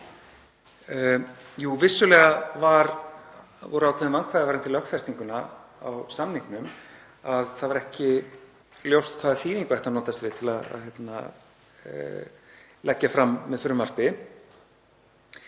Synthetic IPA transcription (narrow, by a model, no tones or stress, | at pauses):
juvɪsːʏlɛːɣavaɾ | vɔ̰ːɾʏakʰɛːðɪmvaŋkʰvaːðɪvaɾɛnt̪ɪlœhkfɛst̪iŋkʏnaa̰wsamniŋknʏm | aðθaðvaɾɛhcɪ | ljowst̪kʰvaːðaθiːðiŋkʏɛht̪anɔːt̪ast̪vɪðt̪ʰɪlaða̰ðçjɛt̪na̰ | lʔɛcːafɾamːɛðθʏɾmːar̥pɪ